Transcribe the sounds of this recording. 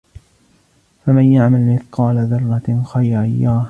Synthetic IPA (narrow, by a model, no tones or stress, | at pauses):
famanjaʕmalmɪθqɑːlaðɑrˤːɑxajɾʔajːaːh